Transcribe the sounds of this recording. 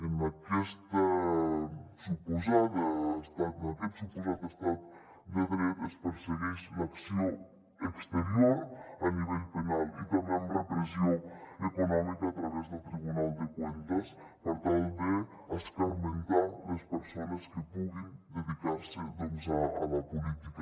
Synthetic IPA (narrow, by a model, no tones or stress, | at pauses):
enakɛst̪ə | supuzaðəːst̪at̪ənɐkɛt̪supuzat̪əst̪at̪̚ | deðɾeespəɾseɣiʃlɐksio | əkst̪eɾioɾɐniβɛʎpenalˠḭt̪ɐmbeəmrəpɾezioəkunɔmikəːt̪ɾəβɛzðəlˠt̪ɾiβunalˠd̪əkwent̪əs | pəɾt̪alˠde | əskəlmənt̪aləspəɾsonəskəpuɣind̪əðikaɾsəðenzaə̰ləpulit̪ikə